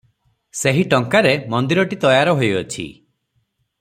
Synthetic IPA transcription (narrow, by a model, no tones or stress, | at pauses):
seɦiʈɔŋkaɾemɔnd̪iɾɔʈit̪ɔjaɾɔɦojɔt͡ʃʰḭ